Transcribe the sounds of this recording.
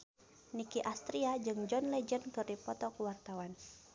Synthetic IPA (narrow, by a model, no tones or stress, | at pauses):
nikiʔast̪ɾiad͡ʒɨŋd͡ʒɔnlɛd͡ʒənkɨrdipɔt̪ɔkuwart̪awan